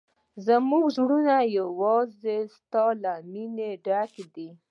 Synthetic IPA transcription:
zamuɡʒɽunajawɑzest̪ɑlamineɖakd̪i

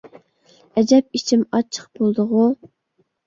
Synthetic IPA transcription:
ɛd͡ʒɛp̚it͡ʃʰimɑt͡ʃʰə̥q̚bolˠd̪ʊʁu

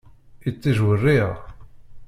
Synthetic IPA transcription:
it͡sːiʒwərːiʁ

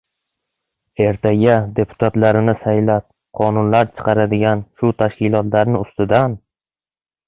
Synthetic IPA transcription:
e̞ɾt̪ʰaɡʲad̪e̞pʰʊ̥t̪ʰat̪laɾɪnɪsajlap̚ | qʰɒnʊnlaɾt͡ʃʰɨ̥qʰɑɾad̪ɪɡʲanʃʊt̪ʰaʃkʲɪlˠɒt̪laɾnɪʊst̪ɪd̪an

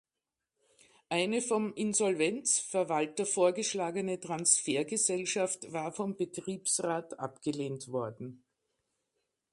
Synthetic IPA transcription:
ʔaɪnəfɔmɪnzɔlvɛnt͡sfɛɐvaltɐfoːɐɡəʃlaːɡənətʁ̥ansfeːɐɡəzɛlʃaftv̥aːɐfɔmb̥ətʁ̥iːpsʁaːtʔa̰pɡ̥əleːntv̥ɔɐdn̩

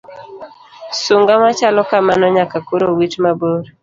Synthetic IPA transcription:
suŋɡamat͡ʃalɔkamanɔɲakakoɾowitmaboɾ

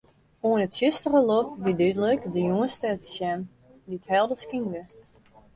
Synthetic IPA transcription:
uənətsøstərəlɔtʋidydələkdəjuənstɛtsjɛn | diəthɛlˠdəskində

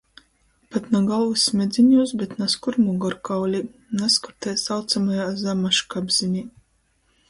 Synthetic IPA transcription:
pat̪naɡalˠvɨsmʲed̪zʲimʲjuːsbʲet̪naskuɾmuɡɔɾkawlʲinaskɔɾt̪ɛːsawt̪samajaːzamaʃkabz̥inʲi

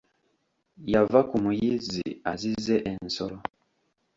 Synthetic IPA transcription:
javakumujiziazizɛʔɛnsɔlɔ

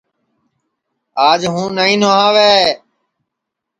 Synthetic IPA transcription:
aːd͡ʒɦũːnaːĩːnoːãːʋeː

